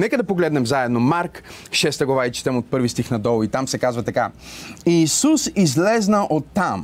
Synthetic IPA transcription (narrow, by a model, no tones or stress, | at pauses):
nɛkəd̪ɐpoɡlɛd̪nɛmzaɛd̪nomaɾkʃɛst̪əɡlˠɐvait͡ʃi̥t̪ɛmot̪̚pɤɾvist̪ixnɐd̪ɔlˠit̪amsɛkazvɐt̪ɐkaiːsusizlɛznəʔot̪ːam